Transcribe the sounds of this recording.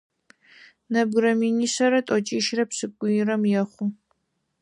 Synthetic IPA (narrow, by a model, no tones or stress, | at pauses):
nɐbɡrɐminisɐɾɐtʷʼɔt͡ʃʼiːʃrɐpsɨkʷʼːʊjɪrɐmjɛχʷʊ